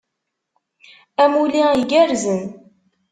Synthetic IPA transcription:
æmuliiɡæɾzən

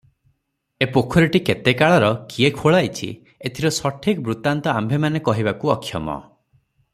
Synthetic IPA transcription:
epokʰɔɾeʈiket̪ekaɭɔɾɔkiekʰoɭajt͡ʃʰḭ | et̪ʰiɾɔsɔʈʰikbɾut̪ant̪ɔambʱemanekɔɦibakuɔkʰːjɔmɔ̰

